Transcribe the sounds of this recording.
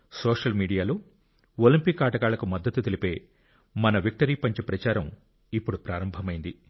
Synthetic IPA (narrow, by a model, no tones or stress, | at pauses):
soːʂɐlmiːɽijaːloː | olimpikːaːʈɐɡaːɭɐkumɐd̪ːɐt̪ːut̪elipe̞ː | mɐnɐʋik̚ʈɐɾiːpɐɲt͡ʃipɾɐt͡ʃaːɾɐm | ipːuɽupɾaːɾɐmbʱɐmɐjind̪i